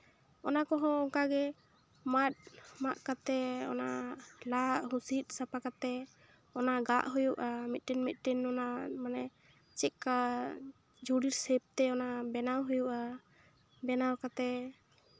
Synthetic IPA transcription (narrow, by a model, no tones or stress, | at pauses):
ɔnakɔɦɔ̃ɔŋkaɡɛ | mat̚maʔkat̪ɛɔ̰na̰ʔlaʔɦũsit̪̚sapakat̪ɛ | ɔnaʔɡaʔɦujuʔamit̪̚ʈinmit̪̚ˀʈinɔnaʔmanɛ | t͡ʃɛka | d͡ʒʱuɽiɾsɛp̚t̪ɛɔnaʔbɛnawɦujuʔa | bɛnawkat̪ɛ